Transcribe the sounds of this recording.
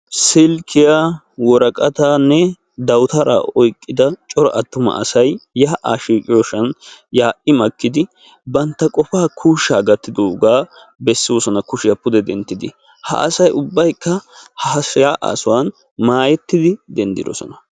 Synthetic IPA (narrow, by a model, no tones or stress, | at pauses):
sɪlkʰɪja | wɔɾɐkʼɐt̪aːnːɛ | d̪ɐwt̪ɐɾa̰ːʔɔjkʼːɪd̪ɐt͡ʃʼɔɾɔ̰ʔɐt̪ːʊmɐ̰ʔɐsɐjːaːʔa̰ːʃiːkʼɪjɔʃɐnjaːʔɪmɐkːɪd̪ɪ | bɐnt̪ːɐkʼɔfaːkʰuːʃːaːɡɐt̪ːɪd̪oːɡaː | bɛsːɪwɔsɔnɐkʊʃɪjɐpʊd̪ɛd̪ɛnt̪ːɪd̪ɪ | hɐ̰ʔɐ̰sɐjʊbːɐjkːɐhɐsjaːʔa̰ːsʊwan | maːjɛt̪ːɪd̪ɪd̪ɛnd̪ɪ̰d̪ɔ̰sɔ̰nɐ